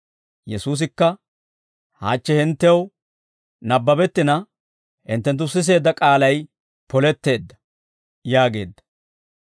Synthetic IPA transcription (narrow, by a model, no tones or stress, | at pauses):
jɛsuːs̬ɪkːɐ | ha̰ːt͡ʃːɛhɪnt̪ːɛw | nɐbːɐbɛt̪ːɪnɐ | hɪnt̪ːɛnt̪̬ːʊsɪs̬e̞ːd̪ːɐkʼaːlɐj | pɔlɛt̪ːe̞ːd̪ːɐ̥ | jaːɡe̞ːd̪ːɐ̥